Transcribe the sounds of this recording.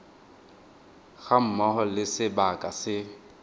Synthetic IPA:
ɣam̩mɔhɔlɪsɪbakʼasɪ

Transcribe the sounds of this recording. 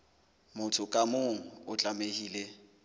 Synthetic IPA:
mʊtʰʊkʼamoŋ̩ʊt͡ɬʼamehiːle

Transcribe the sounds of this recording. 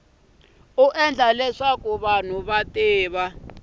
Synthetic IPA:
uʔɛnd͡ɮʱalɛʂakuβan̤uβateːβa

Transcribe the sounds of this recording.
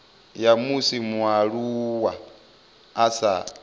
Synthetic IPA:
jamusimuaɺuwaː | sa̰

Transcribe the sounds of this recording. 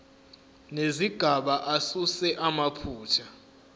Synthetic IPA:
neziɡ̥ʱaɓaʔasusɛʔamapʰuːt͡ʃʰa

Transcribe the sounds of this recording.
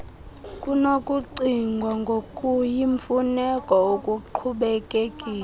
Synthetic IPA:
kʼunokʼuǀiŋɡʱwaŋɡʱokʼujiɱfunɛkʼɔokʼuǃʰuɓɛkʼekʼiː

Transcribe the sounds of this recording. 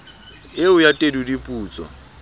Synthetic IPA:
ɪʊjatʼedudipʼuːt͡sʼɔ̰

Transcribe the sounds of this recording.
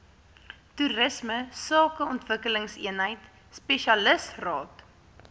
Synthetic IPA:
turəsməsɑːkəɔntvəkələŋsiənɦəjt | speʃiɐləsrɑːt

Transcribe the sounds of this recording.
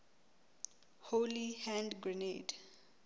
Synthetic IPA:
holihãndɡɹined

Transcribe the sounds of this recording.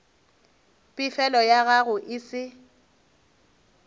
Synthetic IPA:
pʼɪfɛlɔjaɣaɣʊʔɪsɪ

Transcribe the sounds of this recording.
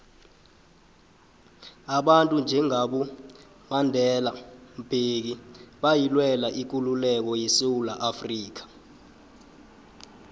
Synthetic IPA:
aɓantʼund͡ʒʱɛŋaɓu | mandʱɛlam̩b̥ʱek̬iɓajilwɛlaʔik̬ululɛk̬ɔjesewulaʔafriːk̬ḁ

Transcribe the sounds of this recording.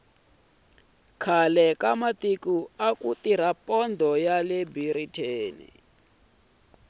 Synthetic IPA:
kʰalɛkamat̪ikuakut̪iɾ̤apʼɔnd̪ʱɔjalɛbiɾitʰeːnḭ

